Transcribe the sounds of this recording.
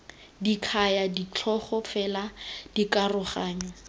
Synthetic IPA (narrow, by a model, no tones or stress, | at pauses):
dikʰajadit͡ɬʰɔχɔfɛlad̥ikarʊχaːɲɔ